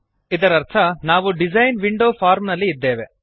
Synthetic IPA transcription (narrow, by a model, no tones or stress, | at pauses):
id̪ɐɾɐɾt̪ʰɐnaːʋuɖid͡ʒɐjnʋiɳɖoːpʰaːɾmnɐlːiːd̪ːeːʋe